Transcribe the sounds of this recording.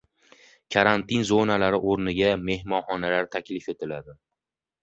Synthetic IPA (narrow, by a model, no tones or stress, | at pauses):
kʰaɾant̪ɪnzonalaɾɪʔoɾnɪɡʲame̞hmɒnχɒnalaɾt̪ʰakʲlɪfe̞t̪ʰɪlad̪ɪ